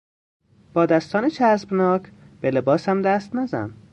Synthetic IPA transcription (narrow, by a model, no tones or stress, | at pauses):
b̥ɒːd̪æst̪ɒːnet͡ʃʰæsbnɒːkʰb̥elebɒːsæmd̪æst̪næzæ̰n